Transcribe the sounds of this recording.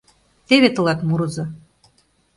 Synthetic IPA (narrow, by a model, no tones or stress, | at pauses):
t̪eβet̪ɤ̆lɑt̪muɾɤ̆zɤ̆